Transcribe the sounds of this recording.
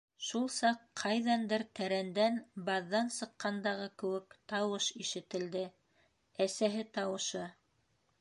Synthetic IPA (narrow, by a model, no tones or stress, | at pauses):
ʃulˠsɑqqʰːɑjðɑnd̪ɘɾt̪æɾænd̪ænbɑðːɑnsɤ̆qːɑnd̪ɑʁɤkɘ̆wɘkt̪ɑwɤʃiʃɘ̆t̪ɘ̆ld̪ɘ | æsæɦɘt̪ɑwɤ̆ʃɤ